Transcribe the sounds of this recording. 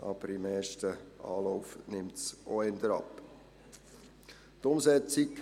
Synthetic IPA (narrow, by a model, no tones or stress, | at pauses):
ʔɑ̰b̥əɾɪmeːrʃtəɑ̰ːlɔʊfnɪmtsʔoɛndəɾɑ̰p | tʊmsɛt͡sɪk